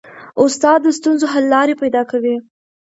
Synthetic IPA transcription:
ʊst̪ɑd̪ːəst̪unzoɦalːɑɾepajd̪ɑkawi

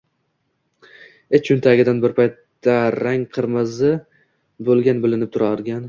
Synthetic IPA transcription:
et͡ʃʰʊnt̪ʰaɡʲɪd̪anbɪɾpʰajt̪ːaɾaŋqʰɨɾmɪzɪ | bolˠɡʲanbɪlɪnɪp̚t̪ʰʊɾaɾɡʲan

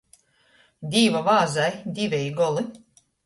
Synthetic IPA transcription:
d̪ʲiːvavaːzajd̪ʲivʲɛjɡɔlˠɨ

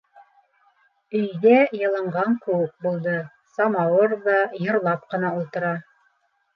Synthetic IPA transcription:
ɵ̆jðæjɤ̆lˠɑɴʁɑŋkɵ̆wɘk̚bulˠd̪ɤ | sɑmɑwɤɾðɑjɤ̆ɾlˠɑp̚qɤ̆nɑulˠt̪ɤ̆ɾɑ

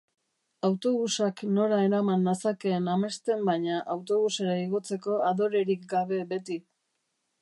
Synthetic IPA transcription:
awt̪o̞βusakno̞ɾaeɾamanːasake̞ːname̞st̪e̞mbaɲaʔawt̪o̞βuse̞ɾaiɣ̞o̞t͡se̞ko̞aðo̞ɾe̞ɾikɡaβ̞e̞be̞t̪i

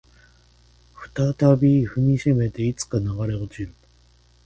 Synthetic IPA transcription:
ɸɯ̟̥t̪at̪abʲiɸɯ̟mʲiɕeme̞t̪e̞it͡sɨ̥kanaɡaɾe̞ot͡ɕiɾɯ̟

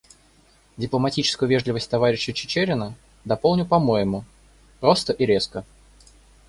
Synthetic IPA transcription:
dʲɪplˠəmɐtʲit͡ɕɪ̥skʊjʊvʲeʐlʲɪvəsʲtʲt̪ɐvaɾʲɪɕːɪət͡ɕɪ̥t͡ɕeɾʲɪnə | d̪ɐpo̞lˠnʲʊpɐmo̞jɪmʊ | pɾo̞st̪əʔiɾʲeskə

